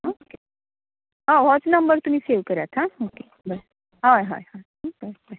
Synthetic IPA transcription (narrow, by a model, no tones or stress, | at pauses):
oke | ãʋɔt͡snəmbəɾt̪um̤iːseʋkəɾjat̪ʰãoke | bəɾ | ɦajɦa̰jɦãɦbəbə